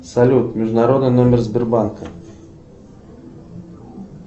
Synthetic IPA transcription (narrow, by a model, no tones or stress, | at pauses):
sɐlʲut̪mʲɪʐd̪ʊnɐɾo̞d̪nɨnomʲɪrzbʲɪrbankə